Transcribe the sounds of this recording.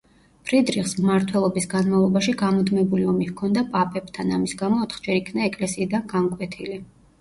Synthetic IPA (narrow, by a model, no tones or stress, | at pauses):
pʰɾid̪ɾiχsmmaɾt̪ʰwɛlˠɔbisɡanmavlˠɔbaʃiɡamɔd̪mɛbuliɔmivkʰɔnd̪apʼapʼɛb̥̚t̪ʰanamisɡamɔːt̪ʰχd͡ʒɛɾikʰnaɛkʼlɛsiːd̪anɡaŋkʼwɛt̪ʰili